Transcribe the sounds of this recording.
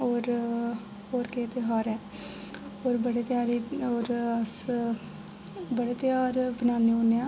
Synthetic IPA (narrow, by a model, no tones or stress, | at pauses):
oːɾ | oːɾkeːt̪eɦaːɾɛː | oːɾbəɽeːt̪ɪjaːɾiːoːɾəs | bəɽeːt̪ɪjaːɾbənaːneːoneãː